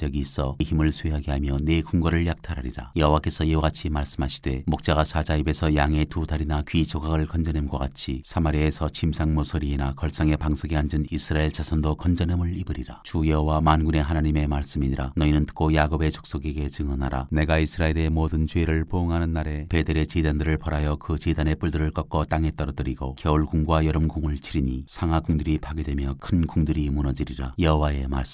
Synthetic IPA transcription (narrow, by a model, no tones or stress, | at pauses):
ʌɡiːs͈ʰʌçimɯɭsʰweɦaɡeɦamjʌne̞ɡuŋɡʌɾɯɭjak̚tʰaɾɦaɾiɾa̰jʌɦowak͈e̞sʰʌjeoɡat͡ɕʰimaɭs͈ɯmɦaɕʰi̥d̥e̞mok̚t͡ɕ͈aɣasʰad͡ʑaibe̞sʰʌjaŋe̞tudaɾinakɥit͡ɕʰoɡaɡɯɭkʌnd͡ʑʌnemɡwakat͡ɕʰisʰamaɾiesʰʌt͡ɕʰimsʰaŋmosʰoɾienakʌɭs͈aŋe̞paŋsʰoɡiand͡ʑɯnisʰɯɾaeɭt͡ɕasʰʌndokʌnd͡ʑʌnemɯɭibɯɾiɾa̰t͡ɕujʌɦowamanɡune̞ɦanaɲime̞maɭs͈ɯmiɲiɾanʌinɯntɯ̥k͈ʰojaɡobe̞t͡ɕo̥k̚s͈oɡeɡe̞t͡ɕɯŋʌnaɾane̞ɡaisʰɯɾaeɾe̞modɯnt͡ɕweɾɯɭpoːŋɦanɯnːaɾe̞pe̞deɾe̞t͡ɕedandɯɾɯɭpʌɾajʌkɯt͡ɕedane̞p͈uɭdɯɾɯɭk͈ʌk͈ʌt͈aŋe̞t͈ʌɾʌdɯɾiɡokjʌuɭɡuŋɡwajʌɾɯmɡoŋɯɭt͡ɕʰiɾiɲisʰaŋaɡuŋdɯɾipʰaɡe̞dwe̞mjʌkʰɯnkuŋdɯɾimunʌd͡ʑiɾiɾajʌɦowae̞ma̰ɭs͈ɯ